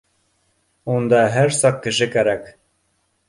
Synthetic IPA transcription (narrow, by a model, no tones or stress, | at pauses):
und̪ɑɦæɾsɑq̚kːɘ̆ʃɘkæɾæk